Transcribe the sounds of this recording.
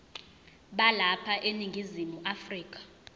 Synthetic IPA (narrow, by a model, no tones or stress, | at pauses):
ɓalapʰaʔeniŋɡʱizimuʔafriːkʼḁ